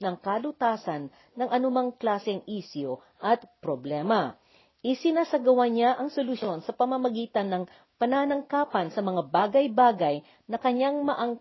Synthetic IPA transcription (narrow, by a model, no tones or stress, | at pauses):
nɐŋkalʊt̪aːsɐnː | ɐŋʔɐnʊmaŋklaːsɛŋiːsjo | ʔɐt̪̚pɾoblɛːmɐ | ʔɪsɪnasɐɡɐwaɲaʔɐŋsolʊʃo̞nsɐpɐmɐmɐɡiːt̪ɐnːɐŋ | pɐnaːnɐŋkaːpɐnsɐmɐŋabaːɡɐjbaːɡɐj | nɐkɐɲaŋmɐʔɐŋ